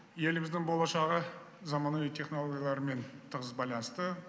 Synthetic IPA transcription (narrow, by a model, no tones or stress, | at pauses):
je̞lɪmɪzd̪ɪŋbo̞lˠɑʃɑʁə | zɑmɑnuijt̪ʰe̞χno̞lˠoɡʲijalˠɑɾəme̞nt̪ʰəʁəzbɑjlˠɑnəst̪ə